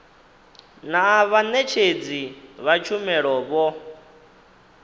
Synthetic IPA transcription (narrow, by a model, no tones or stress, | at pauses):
naβanɛt͡ʃʰed͡ziβat͡ʃʰumɛɺɔβɔ